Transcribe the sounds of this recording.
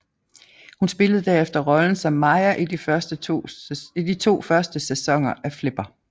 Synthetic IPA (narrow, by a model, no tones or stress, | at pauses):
hunsb̥e̝ləð̞̩ˠd̥æɐefd̥ɐʁɒ̽ln̩sɒ̽mːɑ̈ɪɐʔid̥ifɐsd̥ə | id̥it͡sʰo̝̰ːfɶɐsd̥əsesɒ̽ŋ̰ɐʔæfle̝b̥ɐ